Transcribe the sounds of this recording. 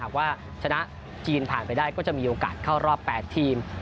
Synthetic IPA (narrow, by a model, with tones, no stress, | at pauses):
aː˨˩k̚waː˥˩ | t͡ɕʰa˧na˦˥ʔ | t͡ɕiː˧npʰaː˨˩npa˧jdaː˥˩jkɔː˥˩t͡ɕa˨˩ʔmiː˧ʔoː˧ka̰ː˨˩t̪̚kʰaː˥˩wɾɔː˥˩pːɛː˨˩t̪ʰːiː˧m